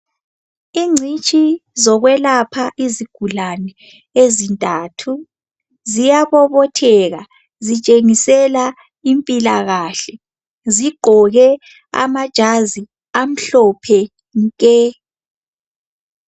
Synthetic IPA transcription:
iŋ͡ǀʱit͡ʃʼizɔɣwɛlapʰaʔiziɡ̥ʱulanɛ | ezintʼaːtʰu | zijaβɔβɔtʰɛɣa | zit͡ʃʼeŋisɛla | impʼilaɣaːɬɛ | ziɡ͡ǃ̥ʱɔɣɛ | a̰mad̥ʒ̥ʱazi | am̩ɬɔpʰɛ | ŋkʼɛ

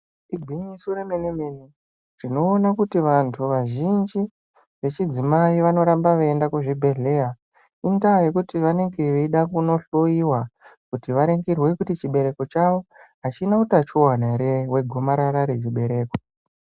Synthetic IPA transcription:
iɡʱiɲisuremenemeni | rino̞ːnakutiʋantʰuʋaʒind͡ʒi | ʋe̞t͡ʃid͡zimaiʋano̞ɾambaʋaendakuʐibʱe̞ɮe̞ja | indajekutiʋane̞ŋɡe̞ʋeiɗakuno̞ɬo̞iwakutiʋaɾeŋɡirwe̞kutit͡ʃiɓe̞ɾe̞ko̞t͡ʃaʋo̞ɦat͡ʃinautat͡ʃuwanaɾewe̞ɡʱo̞maɾaɾaɾe̞t͡ʃiɓe̞ɾe̞ːko

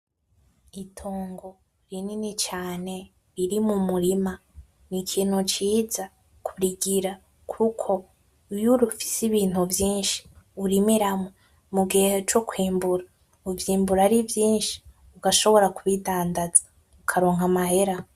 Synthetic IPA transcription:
itʰoːŋɡo̞ | ɾininit͡ʃaːne̞ | ɾiɾimumuɾima | nikʰiːn̥ut͡ʃiːza | kʰuɾiɡiɾa | kʰukʰo̞ | ujuɾufi̥siβiːn̥huvjiːnʃi̥uɾimiɾamo | muɡiheet͡ʃokwiːmbuɾa | uvjiːmbuɾaɾivjiːnʃi̥ | uɡaʃo̞βo̞ɾakuβidaːndaz̥a | ukʰaɾo̞ːŋɦamaɦe̞ɾa

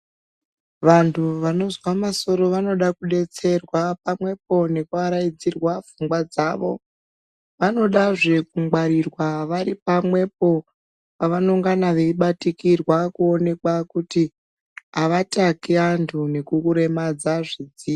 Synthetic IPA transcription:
ʋantʰuʋano̞zwamaso̞ɾo̞ʋano̞ɗakuɗe̞t͡se̞rwapamwe̞p̚o̞ne̞kuaɾajid͡zirwafuŋɡwad͡zaːʋo̞̰ | ʋano̞ɗaʐe̞kuŋwaɾirwaʋaɾipamwe̞p̚o̞ | paʋanoŋɡanaʋeiɓatikirwakuone̞kwakuti | ɦaʋatakiantʰune̞kukuɾe̞mad͡zaʐid͡zi

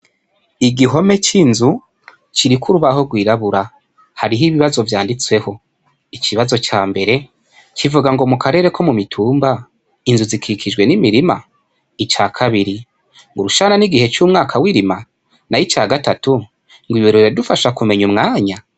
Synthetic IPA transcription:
iɡiɦo̞me̞t͡ʃinzu | t͡ʃiɾikʰuɾuβaho̞ɡwiːɾaβuɾa | haɾiɦiβiβazo̞vjaːndit͡swe̞ho̞ | it͡ʃʰiβazo̞t͡ʃaːmbe̞ɾe̞ | t͡ʃivuɡaŋɡo̞mukʰaɾe̞ːɾe̞ko̞mumitʰuːmba | inzuzikʰikʰid͡ʒɡwe̞nimiɾima | it͡ʃaːkʰaβiɾi | ŋɡuɾuʃaːnaniɡihe̞t͡ʃuːmŋaːkʰawiɾima | najit͡ʃaːɡatatu | ŋɡwiβeɾeɾedufaʃakume̞ɲumŋaːɲa

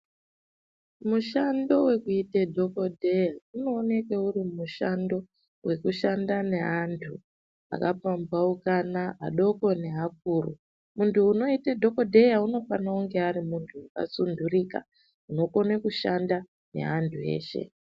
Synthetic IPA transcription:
muʃando̞we̞kuitedʱo̞ko̞dʱe̞jauno̞ːne̞keurimuʃando̞ | we̞kuʃandane̞ɦantʰu | a̰kap͡fambwaukanaʔːɗo̞ko̞ne̞ɦak̚uːrṵ | muntʰuːno̞itedʱo̞ko̞dʱe̞jauno̞fanauŋɡe̞aɾimuntʰuaka̰sundʱuriːka̰ | uno̞ko̞nekuʃanda | ne̞̰ɦantʰue̞̰ːʃe̞̰

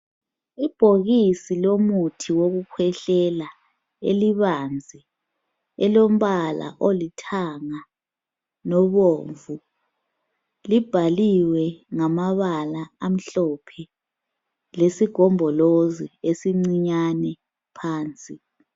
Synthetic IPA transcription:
ib̥ʱoɣisilomutʰiwoɣukʰwɛɬɛla | ḛliβand͡zʱi | ɛlom̩βala̰ʔolitʰaŋa | nɔβoːɱvu | lib̥ʱaliwɛŋamaβalaːm̩ɬɔpʰɛ | lesiɡ̥ʱɔmbʱɔloziesiŋ͡ǀiɲanɛ | pʰaːnt͡sʼi

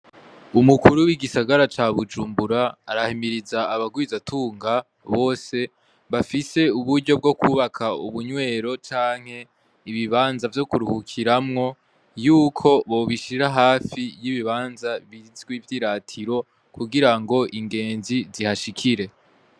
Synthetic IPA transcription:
umukuɾuwiɡisaɡaɾat͡ʃaːβud͡ʒuːmbuɾaːɾahimiɾizaːβaɡwizatʰuːŋɡa | βo̞ːse̞ | βafise̞uβuɾɟo̞b̚ɡo̞kuβakʰauβuɲwe̞ːɾo̞t͡ʃaːŋ̥he̞ | iβiβaːnzavjo̞kuɾuhukʰiɾamŋo̞ | juːkʰo̞βo̞βiʃiɾaɦaːfijiβiβaːnzaβizɡwivjiɾatʰiɾo̞ | kuɡiɾaŋɡo̞ʔiŋɡe̞ːnzizihaʃikʰiɾe̞

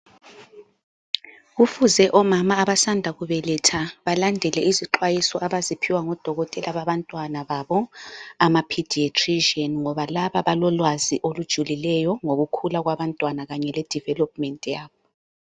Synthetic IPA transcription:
ɣufuzɛʔɔmamaːβasandʱaɣuβɛlɛtʰaβalandʱɛlɛiziǃwajisɔʔaβazipʰiwaŋɔd̥ʱɔɣɔtʼɛlaβaβantʼwanaβaβɔamapʰid̥ʱietʰʼriʒiɔnŋɔβalaβaβalɔlwaziʔolud̥ʒ̥ʱulilɛjɔŋoɣukʰulaɣwaβantʼwanaɣaɲɛlɛd̥ʱivɛlɔp̚ʼmɛntʼjaːβɔ

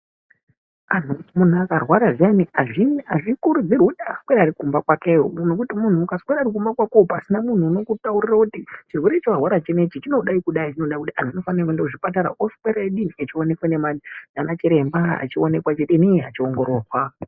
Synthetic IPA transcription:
an̤umunuakarwaɾaʐjaniaʐinaʐikuɾud͡zirwuɗaskweɾaɾikumbakwakewuno̞kutimun̤ukaskweɾaɾik̬umbakwakoupasinamun̤uːno̞kutaurirakutit͡ʃirwe̞ɾet͡ʃowarwaɾat͡ʃene̞t͡ʃit͡ʃino̞ɗaikuɗait͡ʃino̞ɗaikutian̤uino̞fanrakendakuʐipataɾa̰ʔoskweɾaeɗiniet͡ʃione̞kwanemaid͡zanat͡ʃiɾe̞mbaa̰t͡ʃione̞kwat͡ʃetenia̰t͡ʃioŋɡo̞ɾo̞ːrwa

